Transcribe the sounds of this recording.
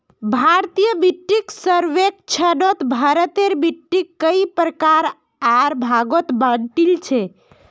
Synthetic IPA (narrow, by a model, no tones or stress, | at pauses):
bʱaɾt̪ijəbiʈːiksəɾʋek̚t͡ʃʰənot̪bʱəɾət̪eɾbiʈːikːəipɾəkaɾ | aɾbʱaɡot̪bənʈilt͡ʃʰɛ